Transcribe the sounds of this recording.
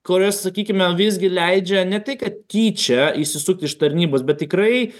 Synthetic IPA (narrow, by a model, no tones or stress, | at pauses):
koɾʲoːssɐkʲiːkʲɪmʲɛʋʲɪzʲɡʲɪlʲɛɪd͡ʒʲɛnʲɛt̪ʲɐɪkɐt̪̚kʲiːt͡ʃʲɛiʃsʲɪsʊk̚t̪ʲɪʃt̪ɐɾʲnʲiːboːsbʲɛt̪̚t̪ʲɪkɾɐɪ